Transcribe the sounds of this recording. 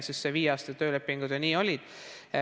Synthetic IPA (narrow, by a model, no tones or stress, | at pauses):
sisːseviːɑːst̪ɑt̪øːle̞pːiŋɡ̥ud̪̥jɑniːo̞lʲid̪̥